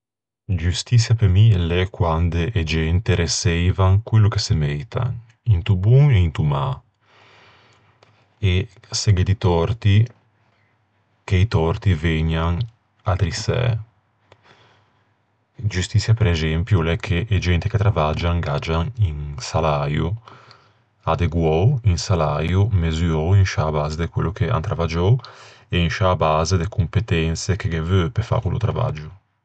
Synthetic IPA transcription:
d͡ʒust̪it̪sjapemilɛkwand̪eʔɛd͡ʒɛnt̪eɾesɛjvaŋkwelːukesemejt̪ʰa̰ | int̪ubuŋeint̪uma | e | seɡed̪it̪ɔrt̪i | keit̪ɔrt̪iveɲːaŋ | at̪ɾisɛ̰ | d͡ʒust̪it̪sːjapeɾɛzɛmpjulɛkʰːeʔːd͡ʒɛnt̪iket̪ɾavad͡ʒaŋɡad͡ʒaninsalaju | ad̪eɡwɔinsalajumezuɔinʃaːbaːzed̪ekwelːokea̰nt̪ɾavad͡ʒɔ | einʃaːbaːzed̪ekumpet̪ɛnt̪sek̟eɡevøpefːa̰kulṵt̪ɾava̰d͡ʒu

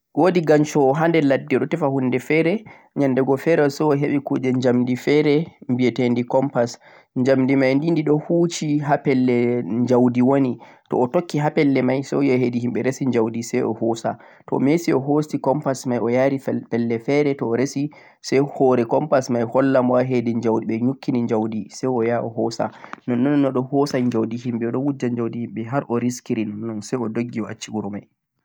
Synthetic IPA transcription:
woːdiɡaɲt͡ʃɔːɦandɛladːiɗɔtɛfahundɛfɛɾɛ | ɲandɛɡɔfɛɾɛɔsɔɔɦeɓɛkuːd͡ʒɛɲd͡ʒamdifɛɾɛmbiɛtendikɔmpas | ɲd͡ʒamdimajndindiɗɔhuːt͡ʃiɦapɛlːɛɲd͡ʒawdiwonitɔ̰ːtokːiɦapɛlːɛmajsɔ̰jɔɦedihimɓɛɾesiɲd͡ʒawdisɛjɔ̰hɔsa̰ | tɔ̰mesiɔɦosikɔmpasmajɔjaɾipɛlːɛfɛɾɛtɔːɾesi | sɛjhɔːɾɛkɔmpasmajhɔlːamwaɦedɛɲd͡ʒawdiɓɛɲukʰːiniɲd͡ʒawdisɛjɔjaɔɦɔsa̰nɔnːɔnnːɔɗɔhɔːsaɲd͡ʒawdihimɓɛɔɗɔwud͡ʒːaɲd͡ʒawdihimɓɛɦaɾʔɔɾiskiɾinɔnːɔnsɛjɔdoɡːiɔa̰t͡ʃːiuɾɔmaj

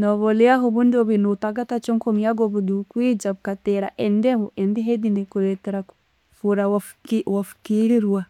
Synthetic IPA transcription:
nɔβɔlɛaɦɔβundoβinutaɡatat͡ʃoŋkomiaɡɔβudukwid͡ʒaβukatɛɾa̰ʔɛndɛhɔʔɛndiɦedinikulɛtɛɾaku̥ | fuɾawafu̥kiɾiɾwa

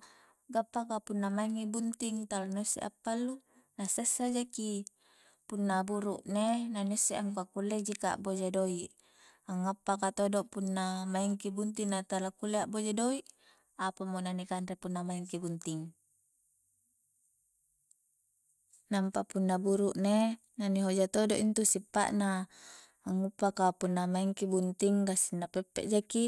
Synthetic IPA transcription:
ɡapːakapunːamaiŋːibunt̪iŋt̪alanosːḛʔa̰pːalːu | nasesːad͡ʒaki | punːabuɾuʔnenanosːeʔaŋkakulːed͡ʒika̰ʔbod͡ʒedoiʔ | aŋːapːakat̪odoʔpunːamaiŋkibunt̪iŋnat̪alakulːeaʔbod͡ʒedoiʔ | apamonanikanɾepunːamaiŋkibunt̪iŋ | nampapunːabuɾuʔne | naniɦod͡ʒat̪odoʔint̪usipːa̰ʔnaː | ŋːupːakapunːamaiŋkibunt̪iŋkɡasinːapepːḛʔd͡ʒaki

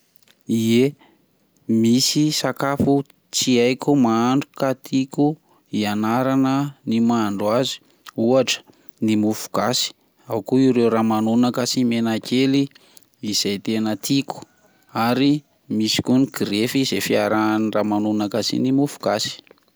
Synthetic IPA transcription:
ie | misisakafu | t͡siajkʲumaaɳɖ͡ʐukat̪ʰiku | ianaɾanənimaɳɖ͡ʐwazi̥ | uaʈ͡ʂə̥ | nimufu̥ɡasi̥ | awkuiɾewɾamanunakasimenakʰeliː | z̥ajt̪enət̪ʰiku̥ | aɾi | misi̥kuniɡ̥ɾefizefiaɾaanramanunakasḭnimufu̥ɡ̥asi̥

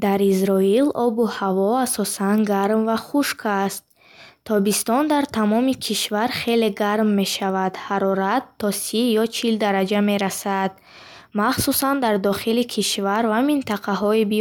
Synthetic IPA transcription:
d̪aɾizɾɔilɔbuhavɔasɔsanɡaɾmvaχuʃkʰast̪ʰː | ɔbist̪ɔnd̪aɾt̪ʰamɔmikʰiʃvaɾχe̞le̞ɡaɾmːe̞ʃavad̪haɾɔɾat̪ʰːɔsijɔt͡ʃʰild̪aɾad͡ʒame̞ɾasad̪̥ | maχsusand̪aɾd̪ɔχilikʰiʃvaɾvamint̪ʰaqʰaɦɔibi

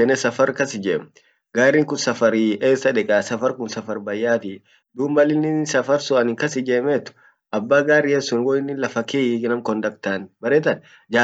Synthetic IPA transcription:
ɛnɛsɐfɐɾkɐsɪd͡ʒeːm | ɡaːɾːiːŋkʊnsɐfɐɾiʔeːsːɐᶑɛkʼaːsɐfɐɾkʊnsɐfɐɾbɐjːaːt̪i | d̪uːmbɐlɪnːɪsɐfɐɾsʊʔɐnɪŋkɐsɪd͡ʒeːmeːt̪ːʊ̥ | ʔɐbːaːɡaːɾːɪːjɛsːʊnwɔɪnːɪlɐfɐkinɐmkɔnd̪ɐkt̪aːnbɐɾeːt̪ɐn | d͡ʒaː

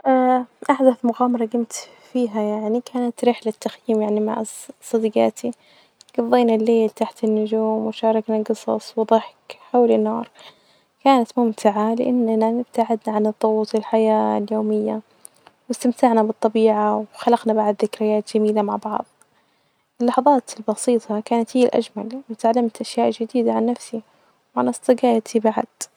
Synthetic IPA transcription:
ʔaːʔaħd̪aθmʊɣaːmɑɾˤɑɡɪmt̪ | fiːɦajaʕnikʰaːnat̪ɾɪħlat̪ːaxjiːmjaʕnima̰ʕsˤːɑd̪iɡa̰ːt̪ʰi | ɡ̥ɑðˤːeːnalːeːlt̪aħt̪ɪnːʊd͡ʒuːmwɪʃɑːɾˤɑknaɡɨsˤɑ̰sˤwɨðˤɑħkħawlɪnːɑːɾˤ | kaːnat̪mʊmt̪ʰaʕalɪʔanːnanɪb̚t̪ʰaʕɪd̪naʕanɨðˤːoɣuːt̪ˤɪlħajaːljoːmɪjːa | wɪst̪amt̪aʕnabɨt̪ˤːɑbiːʕawxalɑqnabaʕd̪ðɪkɾɪjaːt̪d͡ʒ̥amiːlamaʕbɑʕðˤ | ɪlːɑħɑðˤɑːt̪ɪlbɑsiːt̪ˤʰɑkaːnat̪hiːlʔa̰d͡ʒmalwɪt̪ʕalːamt̪ʔaʃjaːʔd͡ʒɪd̪iːd̪aʕanːafsi | wʕanɑsˤt̪ˤɨɡɑːjat̪ʰibaʕa̰d̪̥

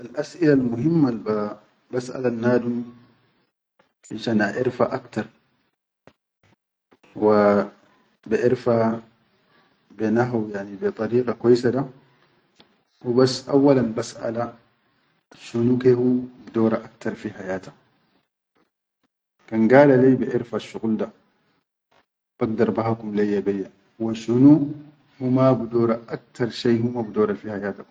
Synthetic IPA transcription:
ʔalʔasʔɪlalmʊɦɪmːalba | basʔa̰lanːaːd̪u | ɪʃanʔaʔɪɾfaʔakt̪ɐɾˤ | wa | bɛʔɪɾfa | bɛnaɦawjaʕnibɛt̪ˤʼɑɾiːqʼɑkɔjsad̪a | wubasʔawːɐlanbasʔa̰la | ʃunukehubudɔːɾaʔak̚t̪ʰaɾfiħajaːtḁ | kanɡaːlalajbɛʔɪɾfaʃːuqulda | b̥aɡ̚daɾˤbaɦakumlajːabɛjːa | waʃunu | humabudɔːɾaʔak̚t̪ʰaɾˤʃajhumabudɔːɾafihajaːta

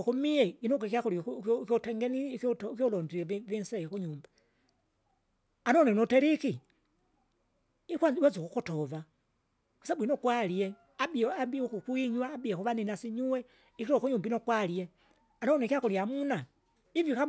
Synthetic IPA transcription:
kumiɛinoɡekakulikɔtɛŋɡeniktkjɔlɔndievinsɛjekuɲuːmba | anɔnenoteɾiki | ikwawazukukutɔva | ku̥sabuinokwalie | abiabikukwiɲwaːbiakuʋaninasiɲuwɛ | ikiɾkuɲumbinokwalie | anɔnekjakuliamuna | ivjoka

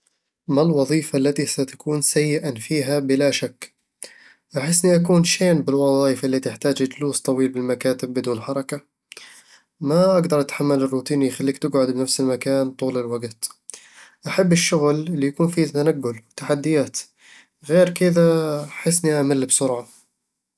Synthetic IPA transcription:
malwɑðˤiːfalːat̪isat̪ḁkuːnsajːɪʔafiːɦabɪlaʃakː | ʔaħɪsːniʔakuːnʃeːnbɪlwɑðˤɑːjɪfɪlːit̪ɪħt̪aːd͡ʒɪd͡ʒluːst̪ˤɑwiːlbɪlmakaːt̪ɪbːɪd̪uːnħɑɾˤɑka | maʔaɡd̪ɑɾˤʔat̪ħamːalɪrːuːt̪iːnijxalːiːkt̪ɪɡʕʊd̪bɪnafsɪlmakaːnt̪ˤuːlɪlwaɡt̪ | ʔaħabːɪʃːʊɣlɪlːijakuːnfit̪anaɡːʊlwɪt̪ːaħad̪ːɪjaːt̪ | ɣeːɾkɪd̪aħɪsːniʔamalːbsʊɾʕa

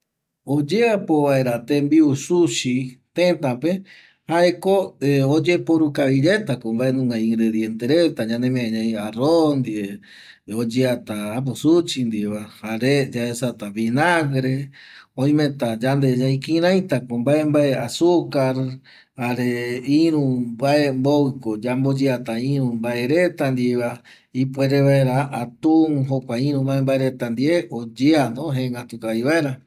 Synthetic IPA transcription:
od͡ʒeapoβae̞ɾat̪embiusuʃit̪ẽt̪ãpe | haʔekoeod͡ʒepoɾukaβiɾe̞t̪akombaʔenũŋɡaĩŋɡɾeðjent̪eɾet̪aɲãnd̪emẽaɲãjarond̪ie | od͡ʒeat̪aːp̬osut͡ʃind̪ieβahaɾed͡ʒaesat̪aβinaɡɾe | õj̃mẽt̪ad͡ʒand̪ed͡ʒaĩkĩɾ̃ãj̃t̪akombaʔembaeasukaɾ | haɾeiɾũbaembowikod͡ʒambod͡ʒeat̪aĩɾũmbaeɾet̪and̪ieβa | ipʷeɾeβaeɾaat̪uŋɦokʷaĩɾũmãembaeɾet̪and̪ieod͡ʒeanõɦẽŋɡat̪ukaiβaeɾa

